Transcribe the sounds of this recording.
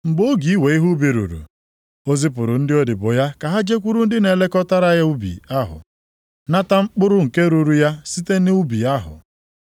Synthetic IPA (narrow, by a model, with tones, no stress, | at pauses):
ŋ͡m̩˨bo˦ɡi˨˦i˦we˨i˦ɦu˦bi˨ɾṵ˨ɾṵ˨ | o˦zi˦p̬ʊ˨ɾʊ˨n̩˦dɪ˦o˦dɪ˨bʊ˨ja˦ka˨ɦa˦d͡ʒe˦kʷu˦ɾu˦n̩˦dɪ˦ne˨le˦kɔ˦ta˦ɾa˦ja˦u˦bḭ˨a˦ɦʊ̰˨ | na˦ta˦ŋ͡m̩˦k͡pʊ˦ɾʊ˦ŋ̩˨ke˦ɾu˨ɾu˨ja˦si˦te˦nɪ˦u˦bi˨a˦ɦʊ̰˨